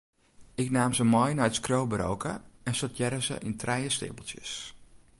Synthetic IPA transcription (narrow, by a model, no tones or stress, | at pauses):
ɪknaːmzəmɔjnɔjtskrowbəɾo̰wkʰə̰ɛnsotʰjɛɾəzə̰ʔintʰrɛjəstɪ̰bəl̩ˠsjə̰s